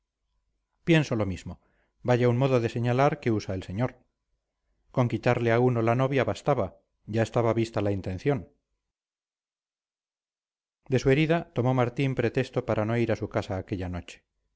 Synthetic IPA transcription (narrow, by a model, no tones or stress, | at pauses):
pje̞nso̞lo̞mizmo̞ | baʝaunmo̞ðo̞ðe̞se̞ɲalaɾke̞usaelse̞ɲoɾ | ko̞ŋkit̪aɾleauno̞lano̞βjaβast̪aβa | ɟ͡ʝae̞st̪aβaβist̪alaint̪ẽ̞nθjo̞n | d̪e̞sue̞ɾiðat̪o̞mo̞maɾt̪impɾe̞t̪e̞st̪o̞paɾʔano̞iɾasukasaːke̞ʎano̞t͡ʃe̥